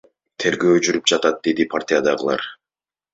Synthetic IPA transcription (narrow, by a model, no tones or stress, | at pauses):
t̪ʰe̞ɾɡø̞ːd͡ʒyɾyp̚d͡ʒɑt̪ɑt̪̚d̪e̞d̪ipʰart̪ʲijad̪ɑʁɯlˠɑ̰ɾ